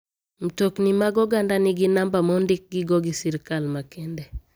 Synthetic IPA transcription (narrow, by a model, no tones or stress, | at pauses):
m̩toknimaɡɔɡandanɪɡɪnambamɔndɪk̚ɡɪɡɔɡɪsiɾkalmakendɛ